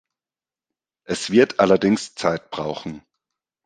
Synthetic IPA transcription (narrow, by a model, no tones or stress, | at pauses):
ʔɛsv̥ɪɐtʔalɐdɪŋst͡saɪt̚b̥ʁaʊxn̩